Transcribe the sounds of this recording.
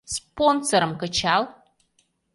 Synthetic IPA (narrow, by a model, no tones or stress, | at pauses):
sponsoɾɨmkət͡ʃʰal